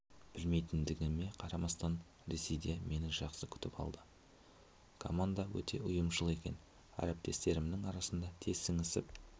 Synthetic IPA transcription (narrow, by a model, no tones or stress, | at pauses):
b̥ɪlme̞jt̪ɪnd̪ɪɡʲɪme̞qʰɑɾɑmɑst̪ɑn | ɾe̞se̞jd̪e̞me̞nɪʒɑqsəkʲʰʏ̥t̪ɪpɑ̰lˠd̪ə | kʰo̰mand̪awɵ̰t̪ʰe̞̰ʔʊjəmʃəlˠe̞kʲe̞̰n | æ̰ɾep̚t̪e̞st̪e̞ɾɪmnɪŋɑɾɑsənd̪ɑt̪ʰe̞zɪŋɪsɪp̚